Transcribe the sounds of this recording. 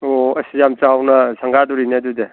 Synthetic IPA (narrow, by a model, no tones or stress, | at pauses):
oɐsijamt͡ʃawnɐsʰaŋɡaduɾinedude